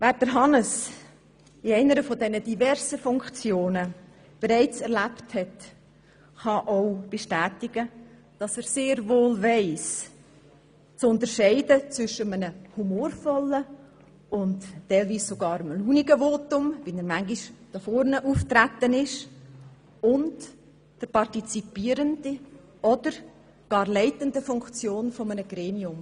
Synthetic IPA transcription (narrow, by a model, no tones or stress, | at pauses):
væːɾd̥əɾɦɑnəs | ɪɛɪnəɾəfɔdɛnədivɛɾzəfʊŋkt͡sjoːnə | b̥eɾɛɪt͡sɛɾlæpthɛt | χɑʔoʊb̥ɛʃtæːtɪɡ̥ə | d̥ɑsɛːɾseːɾvoːlvɛɪs | t͡sʊntəɾʃɛɪdət͡sʋʏʃəmənəhumoːɾfɔlːə | ʊntːɛɪlviːssoɡɑːɾəmluːniɡəvoːtʊmvɪlnəɾmæŋɡiʃd̥ɑfɔɾnəʔuːftɾæt̪ːənɪʃ | ʊnt | d̥əɾpɑrtit͡sipiːəɾəndi | ɔd̥əɾ | ɡ̥ɑːɾlɛɪtəndəfʊŋkt͡sjoːnfɔmənəɡ̥ɾeːmiʊm